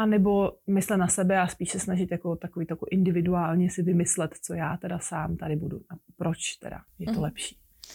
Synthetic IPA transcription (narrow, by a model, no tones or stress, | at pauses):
ʔanɛbo̞mɪslɛt̪nasɛbɛaspiːʃsɛsnaʒɪt̪jakot̪akoviːt̪ojakoʔɪndɪvɪduaːlɲɛsɪvɪmɪslɛt̪t͡sojaːt̪ɛdasaːmt̪adɪbuduʔapɾot͡ʃt̪ɛ̰da̰jɛt̪olɛpʃi̥ː